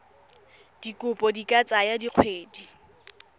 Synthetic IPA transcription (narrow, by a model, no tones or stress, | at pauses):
d̥ikʼʊpʼɔdikʼat͡sʼajadiq͡χʰweːdi